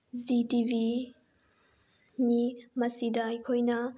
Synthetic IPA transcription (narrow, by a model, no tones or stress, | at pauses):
zitivi | nimɐsidajkʰojnɐ